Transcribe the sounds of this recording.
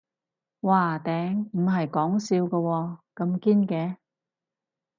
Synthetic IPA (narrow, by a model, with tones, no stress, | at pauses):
waː˨t̪ɛː˨˥ŋm̩˨˩ɦɐ˨jkɔː˨˥ŋsiː˧wkɐː˧wɔː˧kɐ˧mkiː˥nkɛː˨˥